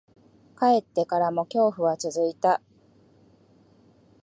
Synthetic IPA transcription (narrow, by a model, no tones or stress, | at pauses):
kae̞t̪ːe̞kaɾamo̞kʲo̞ːɸɯ̟βat͡sɨzɨit̪a